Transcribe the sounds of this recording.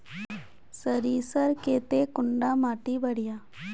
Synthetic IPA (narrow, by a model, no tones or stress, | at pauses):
səɾiːsəɾkeːt̪eːkʊɳɖaːmaːʈiːbəɽɪjaː